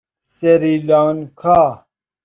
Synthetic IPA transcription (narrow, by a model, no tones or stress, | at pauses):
seɾilankʰaː